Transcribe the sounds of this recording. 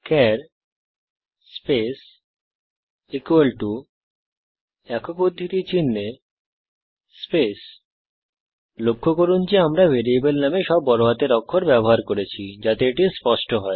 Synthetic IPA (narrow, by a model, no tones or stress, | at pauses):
kɛɾ | pes | ikuelʈu | ɛkokod̪ʱːit̪it͡ɕinːe | spes | lokʰːokoɾund͡ʑeamɾavʱeɾiebelnameʃɔbːɔɾoɦat̪eɾɔkʰːoɾbɛboɦaɾkoɾet͡ɕʰid͡ʑat̪eeʈispɔʃʈoɦɔe